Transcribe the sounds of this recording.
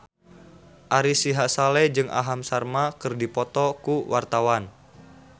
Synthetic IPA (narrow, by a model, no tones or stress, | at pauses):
ʔaɾisiɦasalɛd͡ʒɨŋʔa̰ɦamsarmakɨrdipɔt̪ɔkuwʔart̪awan